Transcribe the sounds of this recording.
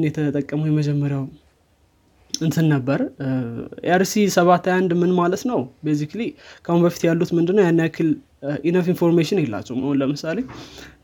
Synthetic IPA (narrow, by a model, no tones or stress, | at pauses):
njɛt̪ʰət̪ʼəkʼːəməwjɛməd͡ʒɛmːəɾjaw | ɨnsɨnːəbːəɾ | ḛaɾsisəβat̪ajand̪mɨnmalət̪nəwbes̬iklikʰahunbəfit̪jalːut̪mɨnd̪ɨnːəwjanːjakʰɨl | ʔinəfinfo̞ɾmeʃɪnjɛlːa̰t͡ʃːɛhuməhonləmɨsale̞